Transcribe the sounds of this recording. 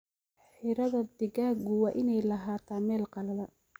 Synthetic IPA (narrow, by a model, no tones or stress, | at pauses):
ħɪɾɐðɐd̪ɪɣaːɡʊwɑːʔɪnɛjlɐɦaːt̪ʰaːmɛːlqɑlɐðɐ